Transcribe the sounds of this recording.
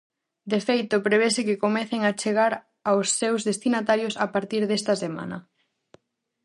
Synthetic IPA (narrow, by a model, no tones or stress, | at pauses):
d̪efejt̪ʊpɾeβ̞esɪkɪkomɛθeŋat͡ʃeɣaɾ | awsːewzðest̪inat̪aɾjosapaɾt̪iɾðest̪ɐsema̰nɐ̰